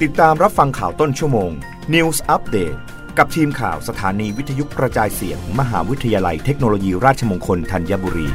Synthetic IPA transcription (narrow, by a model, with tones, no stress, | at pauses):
t̪i˨˩t̪ːaː˧mɾa˦˥p̚fa˧ŋkʰaː˨˩wt̪o˥˩nt͡ɕʰu˥˩əmoː˧ŋ | ni˧wsʔa˦˥p̚deː˨˩t̪̚ | ka˨˩p̚t̪ʰiː˧mkʰa̰ː˨˩wsa˧t̪ʰaː˩˦niː˧wi˦˥t̪ʰːa˧ju˦˥kɾa˧t͡ɕaː˧jsḭ˨˩˦t̪ʰɯː˩˦ŋma˧ɦa̰ː˩˦wi˦˥t̪ʰːa˧jaː˧la˧jt̪ʰe˦˥k̚noː˧loː˧jiː˧ɾaː˥˩t̪̚t͡ɕʰa˧moː˧ŋkʰo˧nt̪ʰa˧njaː˧˥buː˧ɾḭː˧